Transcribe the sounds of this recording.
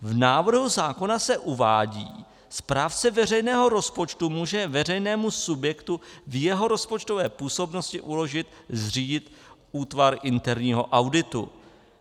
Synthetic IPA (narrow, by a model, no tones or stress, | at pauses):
vnaːvr̩ɦuzaːko̞nasɛʔuvaːɟḭː | spɾaːft͡sɛvɛr̝ɛjnɛːɦo̞ɾo̞spo̞t͡ʃt̪umuːʒɛvɛr̝ɛjnɛːmusubjɛkt̪uvjɛɦo̞ɾo̞spo̞t͡ʃt̪ovɛːpuːso̞bno̞scɪʔulo̞ʒɪt̪zr̝iːɟɪt̪ | uːt̪vaɾʔɪnt̪ɛɾɲiːɦo̞̰ʔawdɪt̪ṵ